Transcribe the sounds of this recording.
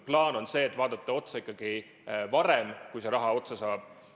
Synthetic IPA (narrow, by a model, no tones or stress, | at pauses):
plɑːno̞nse̞ːt̪vɑːd̪̥ɑt̪ˑːɑo̞t̪sɑikːˑɑɡ̥i | vɑɾemkujse̞ɾɑɦɑo̞t̪sesɑːb̥